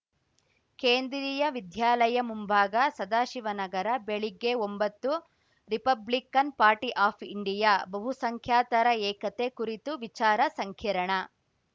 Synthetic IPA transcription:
keːnd̪ɾiːjɐʋid̪ʱjaːlɐjɐmumbʱaːɡɐsɐd̪aːʃiʋɐnɐɡɐɾɐbeɭiɡːeombɐt̪ːu | ɾipɐblikɐnpaːɾʈiʔaːpʰiɳɖijabɐɦusɐŋkʰjaːt̪ɐɾɐɛːkɐt̪e̞kuɾit̪uʋit͡ʃaːɾɐsɐŋkʰjɐɾɐɳɐ

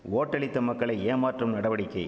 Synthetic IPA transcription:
oːʈːɐɭɪt̪ːɐmɐkːɐɭɐɪeːmaːʈrɯmnɐɽɐʋɐɽɪkːɐɪ

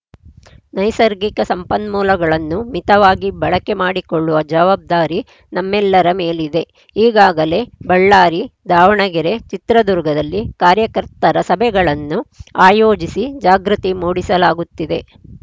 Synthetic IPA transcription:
nɐjsɐɾɡikɐsɐmpɐnmuːlɐɡɐɭɐnːumit̪ɐʋaːɡibɐɭɐke̞maːɽikoɭːuʋɐd͡ʒɐʋaːb̚d̪aːɾi | nɐmːɛlːɐɾɐmeːlid̪e̞ | iːɡaːɡɐle̞bɐɭːaːɾid̪aːʋɐɳɐɡɛɾe̞t͡ʃit̪ɾɐd̪uɾɡɐd̪ɐlːikaːɾjɐkɐɾt̪ɐɾɐsɐbʱɛɡɐɭɐnːuaːjoːd͡ʒisid͡ʒaːɡɾut̪imuːɽisɐlaːɡut̪ːid̪e̞

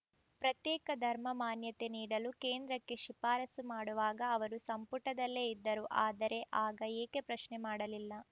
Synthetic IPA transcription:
pɾɐt̪jɛːkɐd̪ʱɐɾmɐmaːnjɐt̪e̞niːɽɐluke̞ːnd̪ɾɐkːe̞ʃipaːɾɐsumaːɽuʋaːɡɐːʋɐɾusɐmpuʈːɐd̪ɐlːe̞id̪ːɐɾuʔaːd̪ɐɾe̞ʔaːɡɐeːke̞pɾɐʃnemaːɽɐlilːɐ

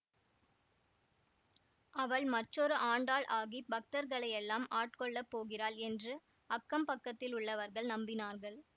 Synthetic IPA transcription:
ʔɐʋɐɭmɐʈːrɔɾɯʔaːɳɖaːɭʔaːɣibɐk̚t̪ɐɾɣɐɭɐɪɛlːaːmaːʈ̚kɔɭːɐpːoːɣɪraːɭɛndrɯ | ɐkːɐmpɐkːɐt̪ːɪlʊɭːɐʋɐɾɣɐɭnɐmbɪnaːɾɣɐɭ

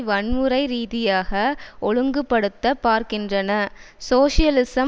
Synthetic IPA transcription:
ʋɐɳmɯɾɐɪɾiːðɪjaːɣɐɔɻɯŋɡɯpːɐɽɯt̪ːɐpːaːɾkɪndrɐnɐsoːʂɪjɐlɪsɐ

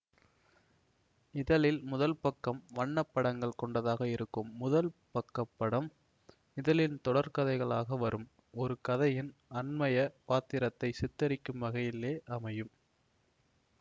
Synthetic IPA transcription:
ɪðɐlɪlmʊðɐlpɐkːɐmʋɐɳːɐpːɐɽɐŋɡɐɭkɔɳɖɐðaːɣɐɪɾɯkːɯmːʊðɐlpɐkːɐpːɐɽɐm | ɪðɐlɪnt̪ɔɽɐɾkɐðɐɪɣɐɭaːɣɐʋɐɾɯm | ɔɾɯkɐðɐjɪnɐnmɐjɐpaːt̪ɪɾɐt̪ːɐɪsɪt̪ːɐɾɪkːɯmʋɐɣɐjɪlːeːʔɐmɐjɯm

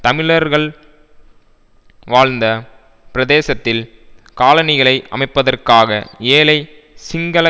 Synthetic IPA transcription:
t̪ɐmɪɭɐɾɣɐɭ | ʋaːɻnd̪ɐ | pɪɾɐðeːsɐt̪ːɪl | kaːlɐnɪɣɐɭɐɪʔɐ̰mɐɪpːɐðɐrkaːɣɐ̰eːlɐɪ | sɪŋɡɐlɐ

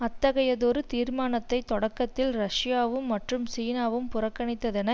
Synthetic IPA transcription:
ɐt̪ːɐɣɐjɐðoːɾɯt̪iːɾmaːnɐt̪ːɐɪt̪ːɔɽɐkːɐt̪ːɪlɾɐʂɪjaːʋɯmːɐʈrɯmsiːnaːʋɯmpʊrɐkːɐɳɪt̪ːɐðɛnɐ

